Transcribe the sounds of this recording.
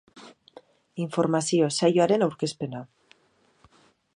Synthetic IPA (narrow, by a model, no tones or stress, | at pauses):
iɱfo̞ɾmasiosajoaɾenawɾke̞spena